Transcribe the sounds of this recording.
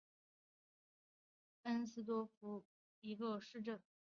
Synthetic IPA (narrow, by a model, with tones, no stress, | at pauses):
ə˥nsɹ̩˥t̪̬wɔ˥fu˧˥ | i˧˥ɡə˧ʂɻ̩˥˧ʈ͡ʂə˥˩n